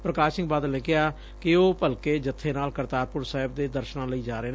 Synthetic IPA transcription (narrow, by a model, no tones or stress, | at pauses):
pɾəkaːʃɪ̃ŋɡbaːd̪lnẽːkɪaː | kɪoːpəlkeːd͡ʒət̪ʰːeːnaːlkəɾt̪aːpʊɾsaːɦɪb̚d̪eːd̪əɾʃnãːləiːd͡ʒaːɾeːn